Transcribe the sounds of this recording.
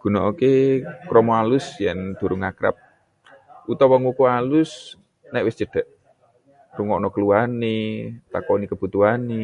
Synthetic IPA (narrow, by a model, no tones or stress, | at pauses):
ɡ̥ṳnɔokekɾɔmoalʊsjɛnd̪̥o̤ɾʊŋakɾa̰p̚ | ut̪ɔwɔŋukualʊs | naʔwɪst͡ʃəd̪̥a̤ʔ | ruŋɔʔnɔkəluanet̪akɔnikəb̥ut̪uɦane